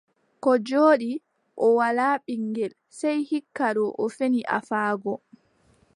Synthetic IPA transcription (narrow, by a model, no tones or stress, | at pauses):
kɔd͡ʒoːɗi | ʔɔwalaːɓiŋɡɛl | sɛjhikːaɾɔʔɔfeniʔa̰faːɡɔ